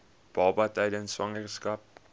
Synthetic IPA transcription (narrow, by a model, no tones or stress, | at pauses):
b̥ɑːbɐtɛjdənsʋɐŋərskɐp̚